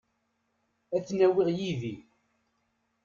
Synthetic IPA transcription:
æθnæwɪʁjiði

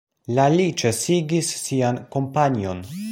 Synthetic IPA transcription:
lalit͡ʃe̞siɡisːianko̞mpanio̞̰n

